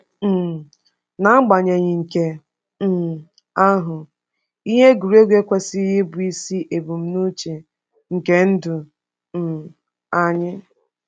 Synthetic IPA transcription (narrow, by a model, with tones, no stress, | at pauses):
m̩˨ | na˨˦ŋ͡m̩˦ɡ͡ba˨ɲe˨ɲɪ˨ŋ̩˨ke˨˦˨ | a˦ɦʊ˨ | i˦ɦe˦ɡu˨ɾe˦ɡʷe˦kʷe˦sɪ˦ɦɪ˦bʊ˨i˦si˦ʔe˨bu˨m̩˦nu˦t͡ʃe˨ | ŋ̩˨ke˦n̩˦dʊ˨ | a˨ɲɪ˦